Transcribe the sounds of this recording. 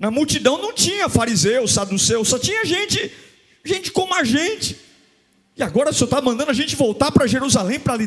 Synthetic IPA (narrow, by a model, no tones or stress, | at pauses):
nɐmuwt͡ʃid̪ɐ̃w̃nɐ̃w̃t͡ʃĩɲɐfaɾizewsad̪usewsɔt͡ʃĩɲɐʒẽnt͡ʃɪ | ʒẽnt͡ʃɪ̥kõmʊaʒẽt͡ʃɪ̥ | ɪaɡɔɾɐsɪewt̪avɐmɐ̃nd̪ɐ̃nd̪ʊaʒẽt͡ʃɪvowt̪apɾɐʒeɾuzalẽj̃pɾɐli